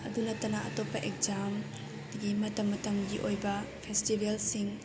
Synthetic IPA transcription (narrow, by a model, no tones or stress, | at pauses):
ɐd̪unɐt̪ːɐnɐʔɐ̰t̪ɔpːɐʔek̚zam | ɡimɐt̪ɐmːɐt̪ɐmɡiʔojbɐpʰestibʱelsiŋ